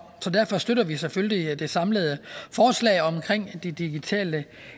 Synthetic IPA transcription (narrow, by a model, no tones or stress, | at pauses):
sɒ̽dæɐfɒ̽sd̥øɾɐʋisɒføllid̥e̝sɑ̈mləð̞̩ˠəfɒːslɛ̰ːɪɒ̽mkʰʁeŋ̰d̥id̥iɡ̥it͡sʰɛ̰ːlə